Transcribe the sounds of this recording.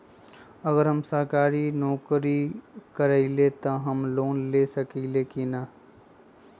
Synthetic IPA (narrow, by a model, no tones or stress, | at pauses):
ɐɡəɾɦɐmsəɾkaːɾinɔːkɾikəɾailet̪oɦɐmloːnleːsɐkiːlekinaː